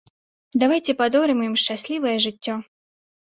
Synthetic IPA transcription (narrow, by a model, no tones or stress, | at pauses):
d̪avajt͡sʲɛpad̪ɔɾɨmjimʂt͡ʃasʲlʲivɐjɛʐɨt͡sʲːɔ